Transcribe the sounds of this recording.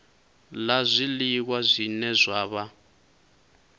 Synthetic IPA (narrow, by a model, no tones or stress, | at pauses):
lazʷilik̬wazʷinɛzʷaːβa